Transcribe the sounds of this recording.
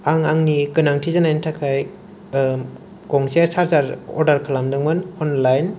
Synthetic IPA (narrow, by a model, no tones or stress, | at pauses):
aŋaŋnikɯnaŋtʰizanajntʰakʰaj | ɡ̥ɔŋseɾsaɾzaɾɔ̰ɾdaɾkʰalamdɯŋmɯnɔnlajn